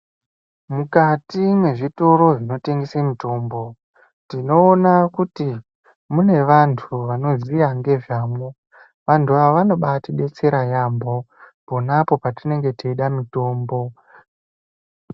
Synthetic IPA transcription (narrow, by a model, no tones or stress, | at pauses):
mukatimwe̞ʐito̞ɾo̞ʐino̞te̞ŋɡesemito̞ːmbo̞ | tino̞ːnakuti | mune̞ʋantʰuʋano̞zijaŋɡe̞ʐaːmo | ʋantʰuaʋano̞ɓatiɗe̞t͡se̞ɾajambo̞ | po̞napo̞patine̞ŋɡe̞tiiɗamito̞ːmbo̞